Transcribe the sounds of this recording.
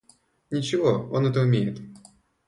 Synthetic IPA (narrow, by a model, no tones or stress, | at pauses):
nʲɪt͡ɕɪvoonɛt̪əʊmʲejɪt̪